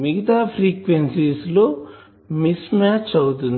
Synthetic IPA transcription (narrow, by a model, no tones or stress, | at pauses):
miɡɐt̪aːpʰɾiːkʋensisloː | mismaːt͡ʃɐwut̪̬un